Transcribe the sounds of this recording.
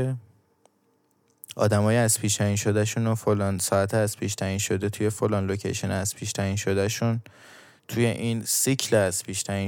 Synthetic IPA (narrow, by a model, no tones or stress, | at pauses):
e | ʔɒ̰ːd̪æmɒːjeæz̥piːʃt̪ʰæiːnʃod̪æʃunofolɒːnsɒːæt̪ʰeæzpʰiːʃt̪ʰæiːnʃod̪e̞t̪ʰuje̞folɒːnlocʰḛjʃenæz̥pʰiːʃt̪ʰæiːnʃod̪æʃun | t̪ʰuje̞ʔiːnsicʰlzpʰiːʃt̪ʰæi